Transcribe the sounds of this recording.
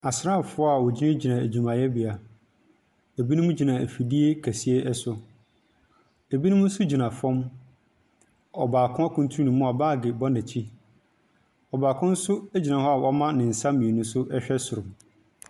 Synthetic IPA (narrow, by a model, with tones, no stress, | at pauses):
a˨sɾa˦˨fʊ˦ɔ˦a˨wɔ˨d͡ʑi˦nã˦d͡ʑi˨nã˨æ˨d͡ʑᶣu˨mã˨jɛ˦bi˨a˨ | e˨bi˦nũ˦mũ˦d͡ʑi˨nã˨æ˨fi˨di˦e˦kʰæ˨si˦e˦ʔɛ˦sʊ˨ | e˨bi˦nʊ̃˦mũ˦sʊ˦d͡ʑi˨nã˨fɔ̃˦m | ɔ˨baː˨kʰʊ̃˦a˦kʰʊ̃˦n˦tʰu˦ɾu˦nũ˨˦mʊ̃˦a˨baː˦˨ɡɪ˨bɔ˦næ̃˨t͡ɕʰi˦ | ɔ˨baː˨kʰʊ̃˦n̩˦sʊ˦æ˦d͡ʑi˨nã˨hɔ˦a˨wʔɔ˦mã˦nɪ̃˨n̩˨sãː˦ĩ˨e˨nũ˦sʊ˦ʔɛ˦ɕᶣɛ˦sʊ˨ɾʊ̃˨m